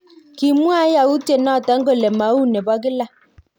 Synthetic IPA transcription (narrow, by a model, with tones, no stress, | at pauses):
ki˨mu˦a˦ja˨u˦te˦˨nɔ˦˨ta˨˦ŋ̩˦ɡo˦˨le˨ma˨˦u˦˨ne˨bɔ˦ɡɪ˦la˦